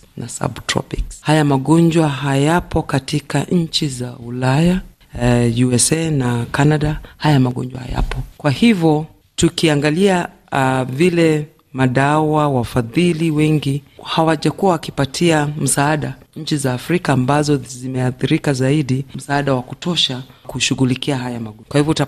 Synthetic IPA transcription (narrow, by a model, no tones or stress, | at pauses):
nasa̰btɾɔ̰pikshajamaɠɔɲd͡ʒwaɦajapɔkatikaɲ̩t͡ʃizaulaja | juɛsɛnakanaɗahajamaɠɔ̰ɲd͡ʒwa̰ha̰ja̰pɔkwahivjɔ | tukiaŋɡalia | vilɛ | maɗawawafaðiliwɛŋɡihawaʄakuwawakipatʰiam̩saːɗaɲ̩t͡ʃizaːfɾikaːmbazɔzimɛaθiɾikazaiɗim̩saːɗawakutɔʃakuʃuɣulikiaɦajamakwahivɔta